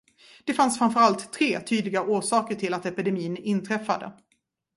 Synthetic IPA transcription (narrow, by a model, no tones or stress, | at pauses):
d̪̥ɛfansfɾanfœɾalt̪ʰːɾeːt̪ʰyːd̪lɪɡaʔuːʂɑːkəʈʰɪlat̪ɛpɪd̪ɛmiːnɪnt̪ʰɾɛfːa̰d̪ə̰